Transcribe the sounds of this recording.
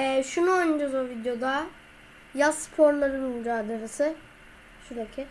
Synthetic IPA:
ɛːʃunuond͡ʒazovid̪jo̞d̪a | jazspʰo̞ɾlˠaɾɯnmyd͡ʒaːd̪eɾesɯ | ʃud̪ecʰɪ

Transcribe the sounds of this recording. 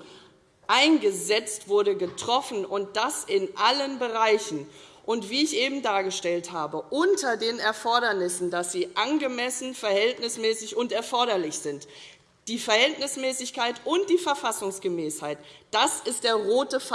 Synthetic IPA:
ʔaɪnɡəzɛt͡stv̥ʊɐɾəɡətʁ̥ɔfn̩ʊnt̚d̥asɪnʔalənbəʁaɪçn̩ | ʔʊntv̥iːɪçʔeːbm̩daːɐɡəʃtɛlthaːbəʔʊntʰɐdeːnɛɐfɔɐɾɐnɪsn̩dasz̥iːʔanɡəmɛsn̩fɛɐhɛltnɪsmɛːsɪçʊntɛɐfɔɐɾɐlɪçz̥ɪnt | d̥iːfɛɐhɛltnɪsmɛːsɪçkaɪtʔʊntd̥iːfɛɐfasʊŋsɡ̥əmɛːshaɪtd̥asɪstd̥eːɐʁoːtəf

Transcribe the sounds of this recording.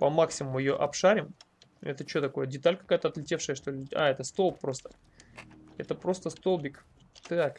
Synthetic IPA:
pɐmaksʲɪmʊmʊjɪjo̞ʔɐpʂaɾʲɪm | ɛ̰t̪ət͡ɕo̞t̪ɐko̞jədʲɪt̪alʲkɐ̥kajət̪əɐt̪lʲɪtʲe̞fʂəjəʂt̪o̞lʲɪa̰ɛt̪əst̪o̞lˠpːɾo̞st̪ə̥ | ɛt̪əpɾo̞st̪əst̪olˠbʲik | t̪ɨak

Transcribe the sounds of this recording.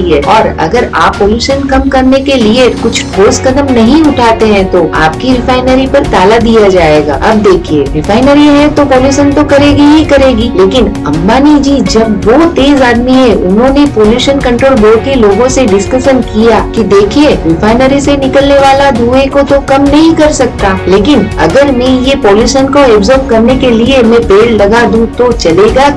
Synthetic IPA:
iɛɔːɾɐ̰ɡəɾaːpːoːljuːʃənkɐmkɐɾnekeliekʊt͡ʃʰʈoːskɐd̪əmnɐɦĩʊʈʰaːt̪eɦɛ̃t̪oʔa̰ːpkiɾɪfaːɪnəɾipɐɾt̪aːlad̪ijad͡ʒaːeːɡa̰ːɐb̚d̪eːkʰieɾɪfaːɪnəɾiɦɛ̃t̪opoːljuːʃənt̪okɐɾeːɡiɦikɐɾeːɡiːleːkɪnɐ̰̃mbaːnid͡ʒiːd͡ʒɐbʋoːt̪eːzaːd̪miɦɛʊnɦõːnepoːljuːʃənkɐ̃ɳʈɾoːlboːɾkeloːɡõseɖɪskəʃənkijaːkid̪eːkʰieɾɪfaːɪnəɾisenɪkəlneʋaːlad̪ʱuːekot̪okɐmnɐɦĩkɐɾsɐk̚t̪aːleːkɪnɐ̰ɡəɾmẽjepoːljuːʃənkoɛːbzɔːɾb̚kɐɾnekeliemẽpeːllɐɡad̪ũt̪ot͡ʃɐleːɡa

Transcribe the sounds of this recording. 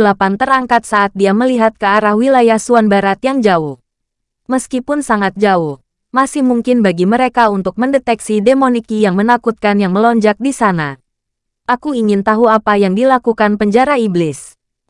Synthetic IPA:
dəlapant̪əɾaŋkat̪̚saʔat̪̚diaməliɦat̪̚kəaɾahwilajahsuanbaɾat̪jaŋd͡ʒaʊh | məskipʊnsaŋat̪̚d͡ʒaʊh | masɪhmuŋkɪnbaɡiməɾekaunt̪ʊk̚məndet̪ɛksidemonikijaŋmənakut̪̚kanjaŋməlɔɲd͡ʒak̚disana | ʔakuiŋɪnt̪aɦuapajaŋdilakukanpəɲd͡ʒaɾaiblɪs

